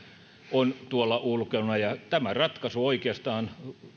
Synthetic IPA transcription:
ont̪uolːɑʔulkeunɑjɑt̪æmærɑt̪kɑsuoikeɑst̪ɑːn

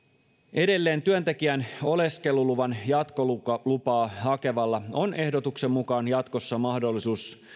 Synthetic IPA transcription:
e̞de̞lːe̞ːnt̪yønt̪e̞k̟iæno̞le̞ske̞luluʋɑnjɑt̪ko̞luɑlupɑːhɑke̞ʋɑlːɑo̞ne̞hdo̞t̪ukse̞mmukɑːnjɑt̪ko̞sːɑmɑhdo̞lːisuːs

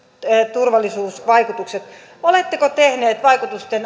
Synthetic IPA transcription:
t̪urʋɑlːˑisuːsʋɑikut̪ukset̪ | olet̪ːekot̪ehneːt̪ʋɑikut̪ust̪en

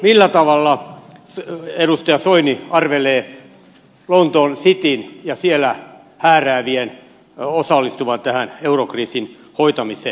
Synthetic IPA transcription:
milːæt̪ɑʋɑlːɑ | edust̪ɑjɑsoiniɑrʋeleː | lont̪onsit̪injɑsielæ | hæːræːʋien | osɑlːist̪uʋɑnt̪æhæneurokriːsin | hoit̪ɑmiseː

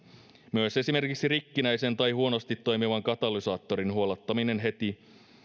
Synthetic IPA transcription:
myøse̞sime̞rkiksirikːinæjse̞nt̪ɑjɦuo̞nost̪it̪ːo̞jmiʋɑŋkɑt̪ɑlisɑːt̪ːo̞ɾinɦuolɑt̪ːɑmine̞nɦe̞t̪i

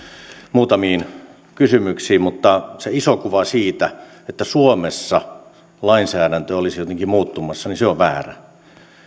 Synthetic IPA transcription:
muːt̪ɑmiːn | kysymyksiːmmut̪ːɑseisokuʋɑsiːt̪æ | et̪ːæsuomesːɑ | lɑinsæːɾænt̪øolisijot̪eŋkimuːt̪ːumɑsːɑninseoʋʋæ̰ːræ̰

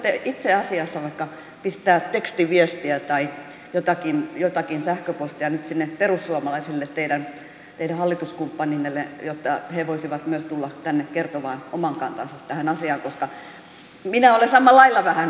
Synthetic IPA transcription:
t̪ːeʔit̪seɑsiɑsːɑʋɑikːɑ | pist̪æːtt̪ekst̪iʋiest̪iæt̪ɑi | jot̪ɑkinjot̪ɑkinsæhkøpost̪iɑnyt̪sinːeperusːuɑmɑlɑisilːet̪t̪eidæn | t̪eiɾæhɑlːit̪uskumpːɑninːelːejot̪ːɑheʋoisiʋɑt̪myøst̪ulːɑt̪ænːekkert̪oʋɑːnomɑŋkɑnt̪ɑ̰nsɑtt̪æhænɑsiɑːŋkoskɑ | minæolesɑmːɑlɑilːɑʋæhæn

